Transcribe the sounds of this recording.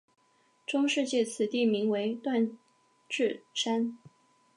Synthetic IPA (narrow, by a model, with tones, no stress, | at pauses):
ʈ͡ʂʊ˥ŋʂɻ̩˥˧t͡ɕjɛ˥˩t͡sʰɹ̩˨˩t̪i˥˩mi˧˥ŋwe˧˥ɪt̪wa˥˧n | ʈ͡ʂɻ̩˥˩ʂa˥n